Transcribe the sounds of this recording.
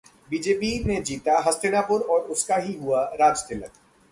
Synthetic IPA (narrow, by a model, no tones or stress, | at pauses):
biːd͡ʒeːpinẽd͡ʒiːt̪aɦɐst̪ʰɪnapʊɾɔːɾʊskaɦiɦuaɾaːd͡ʒt̪ɪlək